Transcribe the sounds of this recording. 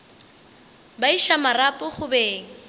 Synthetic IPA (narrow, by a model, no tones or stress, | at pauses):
baiʃamarapʼʊχʊbeːŋ̩